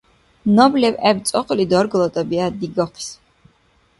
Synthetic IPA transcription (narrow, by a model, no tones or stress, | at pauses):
nɔblɛvɛbt̪sʼɔqʼlid̪ɔɾɡlˠɔt̪ʼɔbiad̪iɡɔχʰs